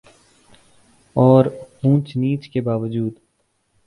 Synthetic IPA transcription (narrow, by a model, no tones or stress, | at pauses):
ɔːɾhũːt͡ʃniːt͡ʃkebaːʋəd͡ʒuːd̪